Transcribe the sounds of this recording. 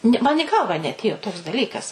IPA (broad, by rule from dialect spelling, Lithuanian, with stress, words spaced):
ˈnʲɪ mɐn ɪ ˈɡɐlˠʋɑː nʲɛɐtʲˈeːjoː toːks dɐˈlʲiːkɐs